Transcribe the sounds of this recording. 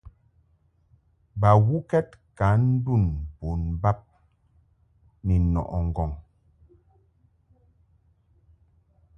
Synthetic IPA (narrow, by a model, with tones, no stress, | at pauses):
ba˨ɣu˦kɛ˦t̚ka˨˦n̩˦du˦˨npo˨nba˦p̚ | nɛ˨nɔ̰˨ʔɔ˨ŋ˨ɡɔ˨ŋ